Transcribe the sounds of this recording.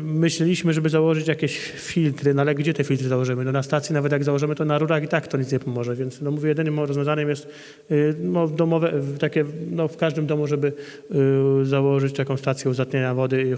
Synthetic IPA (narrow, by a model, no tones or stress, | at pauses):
mɘɕlɛlʲiɕmɘʐɛbɘzawɔʐɘt͡ɕjakʲeɕ | fʲilt̪ɾɘnɔalɛɡd͡ʑɛt̪ɛfʲilt̪ɾɘzawɔʐɘmɘnɔnast̪at̪sʲjinavɛt̪̬ʲjaɡzawɔʐɘmɘt̪ɔnaɾuɾaxit̪akt̪ɔɲit̪sɲɛpɔmɔʐɛvʲjɛntsnɔmuvʲjɛjɛd̪ɘnɘmɔɾɔzvʲjɔ̃zaɲɛmjɛst̪ | nɔvd̪ɔmɔvɛt̪akʲɛnɔfkaʐd̪ɘmd̪ɔmuʐɛbɘ | zawɔʐɘt͡ɕt̪akɔ̃w̃st̪at̪sʲjɛuzat̪ɲeɲavɔd̪ɘ